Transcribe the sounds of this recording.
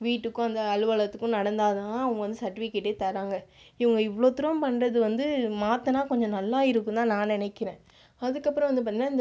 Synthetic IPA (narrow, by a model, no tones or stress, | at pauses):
ʋiːʈːɯkːʊ̃ɐnd̪ɐːlɯʋɐɭɐt̪ːɯkːʊ̃nɐɽɐnd̪aːðɯaːɐʋɐ̃ŋɡɐʋɐnd̪ɯsɐʈːʋikːɪʈːeːt̪ɐɾaːŋɡɐ | ɪʋɐŋɡɐɪʋːɐɭoːt̪ːɪɾɐmpɐnrɐðɯʋɐnd̪ɯmaːt̪ːɐnaːkɔɲd͡ʒɔ̃nɐlːaːɪɾɯkːɯ̃nt̪ãːnaːnɪnɐɪkːɪɾẽː | ɐðɯkːɐpːɯɾɐ̃ʋɐnd̪ɯpaːnɪnaːɪnd̪